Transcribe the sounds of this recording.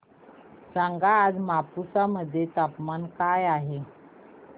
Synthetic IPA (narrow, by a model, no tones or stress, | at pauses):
saŋɡaːd͡zmapusaməd̪ʱːjet̪apmankajaɦe